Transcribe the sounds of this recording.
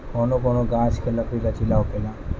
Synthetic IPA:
koːnokoːnoɡãːskʰelɐkʰɾilat͡ʃɪlaːokelaː

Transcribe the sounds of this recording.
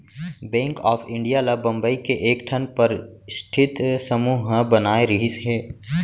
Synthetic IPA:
bɛ̃ːŋkɔːfʰɪ̃ɳɖijalabɐ̃mbəikeʔeːkʈʰənpɐɾsʈʰɪt̪səmuːɦbɐnaːeɾɪɦɪsɦɛː

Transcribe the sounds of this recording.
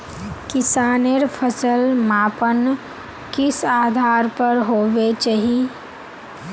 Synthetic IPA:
kɪsaːneɾpʰəsəlmaːpən | kɪsaːd̪ʱaːɾpəɾɦoːʋet͡ʃaɦi

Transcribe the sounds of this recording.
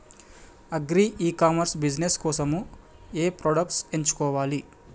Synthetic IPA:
ɐɡɾiːʔiːkaːmɐɾsbid͡ʒneskɔːsɐmu | eːpɾoːɖɐk̚ʈse̞ɲt͡ʃu̥kɔːʋaːli

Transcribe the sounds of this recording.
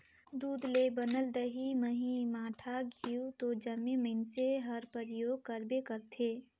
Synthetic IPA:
d̪uːd̪lebənəld̪əɦiməɦimaːʈʰaɡʱiut̪od͡ʒɐmemɪnseɦɐɾpəɾjoːɡ̚kəɾbekəɾt̪ʰeː

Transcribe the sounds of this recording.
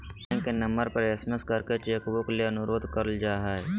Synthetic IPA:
ẽkenə̃mbəɾpəɾesməskəɾket͡ʃeːkboklieənʊɾoːd̪ʱkəɾəld͡ʒaːɦaːe

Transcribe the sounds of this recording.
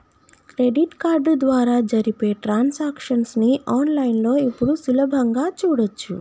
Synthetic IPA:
kɾe̞ɖiʈkaːɾɖd̪ʋaːɾaːd͡ʒɐɾipe̞ːʈɾaːnsaːkʂɐnsniʔaːnlɐjnlo̞ːipːuɽusulɐbʱɐŋɡaːt͡ʃuːɽɐt͡ʃːṵ

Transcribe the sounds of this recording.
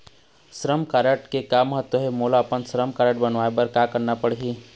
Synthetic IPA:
sɾəmkaːɾəʈkekaməɦət̪wəɦemolaɐpənsɾəmkaːɾəʈ̚bɐnʋaːepəɾkakəɾnapəɽɦiː

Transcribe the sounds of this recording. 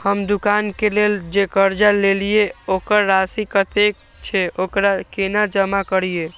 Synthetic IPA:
həmd̪ukankeleld͡ʒekəɾd͡ʒalelijeokəɾːasikət̪ek | t͡ʃʰɛokɾakenad͡ʒəmakəɾije

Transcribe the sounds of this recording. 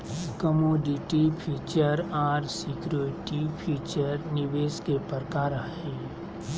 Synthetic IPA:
kəmoːɖɪʈipʰiːt͡ʃəɾaːɾsɪkɾoːɾɪʈipʰiːt͡ʃəɾnɪʋeːskepəɾkaːɾaɦɛ̃

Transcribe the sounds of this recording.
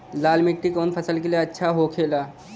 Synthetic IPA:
laːlmɪk̚ʈikoːnpʰəsəlkelieɐtːʃʰaɦokʰeːlaː

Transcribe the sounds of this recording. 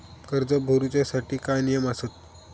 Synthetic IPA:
kəɾd͡zəbʱoɾut͡ɕjasaʈʰiːkanijəmasət̪̚

